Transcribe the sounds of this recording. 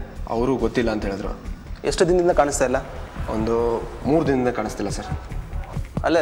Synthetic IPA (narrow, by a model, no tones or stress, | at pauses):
ɐ̰ʋɾuːɡot̪ːilːɐːnt̪ɐɦeːɭd̪ɾṵeʂʈud̪ind̪ind̪ɐkaːɳist̪ajilːɐo̰nd̪umuːɾud̪inɐd̪ind̪ɐkaːɳist̪ilːɐsɐɾ | ɐ̰lːe